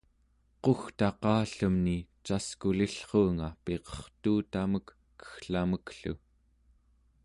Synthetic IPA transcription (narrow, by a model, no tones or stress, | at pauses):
qoxt̪ɑqɑːɬəmnit͡ʃaskuliɬχoːŋape̞qʌ̥χt̪uːt̪aməkː | ə̥xɬaməkɬṵ